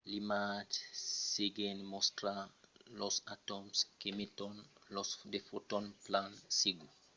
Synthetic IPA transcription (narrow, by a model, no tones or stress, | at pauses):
limatseɡɛnmɔstɾalɔsatɔmskemitɔnlɔsdefotɔnplansiɡu